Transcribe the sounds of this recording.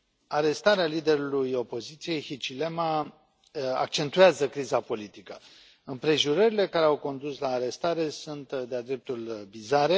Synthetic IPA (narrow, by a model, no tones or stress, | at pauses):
aɾe̞st̪aɾealid̪e̞ɾulujo̞po̞zit̪sije̞jhit͡ʃile̞ma | a̰k̚t͡ʃe̞nt̪ujazəkɾizapo̞lit̪ikə | ɨmpɾe̞ʒuɾəɾile̞kaɾeawko̞nd̪uslaːɾe̞st̪aɾe̞sunt̪d̪ead̪ɾe̞p̚t̪ulvizaɾe̞